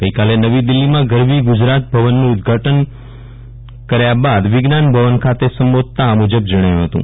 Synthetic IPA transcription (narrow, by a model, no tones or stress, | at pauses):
ɡ̥əikalenəʋid̪ɪlːimãɡəɾmiɡʊd͡ʒɾat̪̚bʱəʋənːũʊd̪ɡʱaʈən | kəɾjabad̪ʋɪɡnanbʱəʋənkʰat̪esəmbod̪̚t̪aːmud͡ʒəbd͡ʒəɽ̃əjũɦət̪ṵ̃